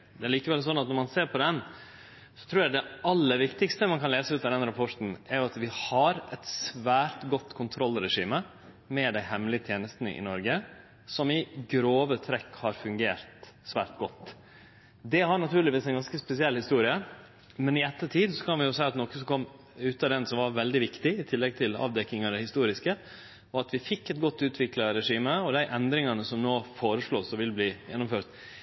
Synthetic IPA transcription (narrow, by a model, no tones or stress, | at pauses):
d̪ɛæɾɭiːkəʋɛls̬ɔnːɑt̪nɔɾmɑnseːɾpʰɔd̪ɛn | sɔ̥t̪ʰɾuːɾjæɪd̪ɛʔɑlːəɾʋɪkt̪ɪkst̪əmɑnkʰɑnleːsəʉːt̪ɑd̪ɛnɾɑpʰɔʈn̩ɛɾjʊɑt̪ʋɪhɑɾɛt̪sʋæːɾʈ̪ɡɔt̪ːkʰʊnt̪ʰɾɔlːɾɛʂiːmə | mɛd̪æɪhɛmlɪət̪ʰjeːnəst̪nə̰ʔɪ̰nɔɾɡə | sɔmɪɡɾoːʋət̪ʰɾɛkhɑɾfʉŋɡeːɾt̪sʋæ̰ːɾʈ̪ɡɔt̪ː | d̪ɛhɑɾɳnɑt̪ʉːɾɭɪʋiːsɛɪnɡɑnskəspɛsɪɛlhɪst̪uːɾɪə | mɛnɪɛt̪ːət̪ʰiːd̪sɔkʰɑnʋɪjʊsæɪɑt̪nɔkːəsɔkʰɔmː | ʉːt̪ɑd̪ɛnsɔmʋɑɾʋɛld̪ɪʋɪkt̪ɪɪt̪ʰɪlːɛɡ̚t̪ʰɪlɑ̰ːʋd̪ɛkːɪŋɑd̪æɪhɪst̪uːɾɪskə | ɔɑt̪ʋɪfɪkːɛt̪̚ɡɔt̪ːʉːt̪ʰʋɪklɑɾɛʂiːməɔd̪æɪʔɛnd̪ɾɪŋɑnəsɔmnoːfoːɾəʂɭoːsɔʋɪlbliːjɛ̰nːʊmføːɾt̪